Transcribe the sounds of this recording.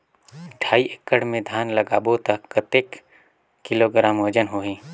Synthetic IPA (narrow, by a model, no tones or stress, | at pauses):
ʈʰaːiʔɪkːəɽmẽd̪ʱjaːnlɐɡaːbot̪ɐkːət̪eːk | kːɪloɡɾaːmod͡ʒənɦoɦĩː